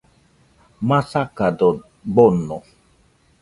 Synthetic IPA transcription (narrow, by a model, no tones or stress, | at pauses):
mãsakadɔ | ɡ͡bɔnɔ